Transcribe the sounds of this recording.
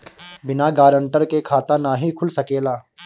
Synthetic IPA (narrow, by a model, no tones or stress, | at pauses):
bɪnaɡaːɾə̃ɳʈəɾkekʰaːt̪anaːɦikʰʊlsɐkeːlaː